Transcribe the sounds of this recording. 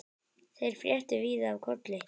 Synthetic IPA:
θejɾ̥fɾjɛht̪ʏviːðaːvkʰɔt̪lɪ

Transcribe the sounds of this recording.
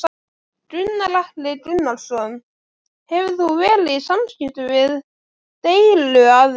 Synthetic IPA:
t̪ɾʏnːalahplɪt̪ɾʏnːalsɔn | hɛvθuvɛːlɪisamscɪht̪ʏvɪð | t̪eːjlʏað

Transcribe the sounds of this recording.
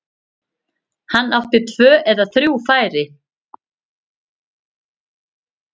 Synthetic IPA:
hanːawht̪ɪt̪ʰv̥œːʔɛðaθɾjuwfaːjɾɪ

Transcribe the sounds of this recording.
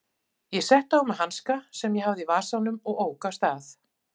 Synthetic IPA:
jɛsɛht̪aʏmahanskasɛmjɛhavðɪivḁːsawnʏmɔɣoːwkast̪aθ

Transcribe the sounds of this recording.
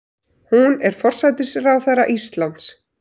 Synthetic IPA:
hunɛɾ̥fɔr̥sajt̪ɪsrawθarːa̰ʔist̪lant̪s

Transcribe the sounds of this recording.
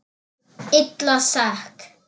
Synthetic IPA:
ɪt̪lɔsak

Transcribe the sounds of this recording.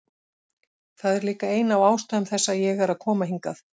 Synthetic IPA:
θaðɛɾliːkaeːjnawaːwst̪aðʏmθɛsːajɛɣaɾaðkʰɔːmaɦiŋkaθ

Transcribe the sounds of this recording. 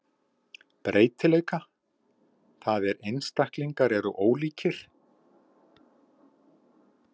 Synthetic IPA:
pɾʔeːjt̪ɪleːjka | θaðɛɾejnst̪ahkliŋkaɾɛɾʏʔoːwliːcɪɾ̥

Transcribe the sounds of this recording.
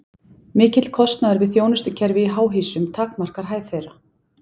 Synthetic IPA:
mɪːcɪt̪l̥kʰɔst̪naðaɾvɪðθjoːwnʏst̪ʏcʰɛɾvɪiɦaːwɦiːsʏmt̪ʰaːkmar̥kaɾ̥ɦaːjθejɾa

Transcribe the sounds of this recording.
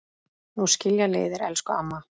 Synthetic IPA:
nuscɪljaleːjðɪɾɛ̰lskʏa̰mːa

